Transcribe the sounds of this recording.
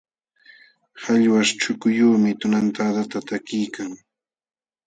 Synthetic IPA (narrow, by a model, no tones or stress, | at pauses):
haʎwaʃt͡ʃʊkʊjuːmɪt̪ʊnant̪ad̪at̪at̪akɪjkaŋ